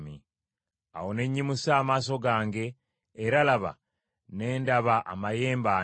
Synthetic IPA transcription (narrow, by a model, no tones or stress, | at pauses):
mi | a̰wo̞ne̞ɲːimusaːmaːso̞ɡaːŋɡe̞ː | ɾalaβa̰ | ne̞ːndaβaʔa̰maje̞ːmbaː